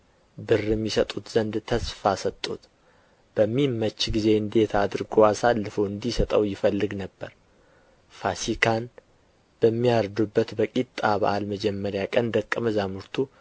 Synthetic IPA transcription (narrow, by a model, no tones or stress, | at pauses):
bɨrːɨmːɪsət̪ʼut̪z̥ənd̪t̪ʰəsfasət̪ʼːut̪ | b̥əmːimːət͡ʃːɡize̞ɨnd̪e̞t̪ʰad̪ɨɾɡoasalːɨfəɨnd̪isət̪ʼəwjɪfəlːɨɡnəbːəɾ | fasikʰan | b̥əmːijaɾd̪ubːət̪bəkʼit̪ʼːaβə̰ʔalməd͡ʒɛmːəɾjakʼənd̪əkʼːəməzamɨɾt̪ʰu